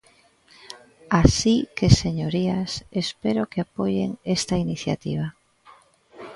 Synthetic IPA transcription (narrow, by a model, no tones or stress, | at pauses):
asikeseɲoɾiasespeɾokeapojḛŋest̪ainiθja̰t̪ḭβ̞a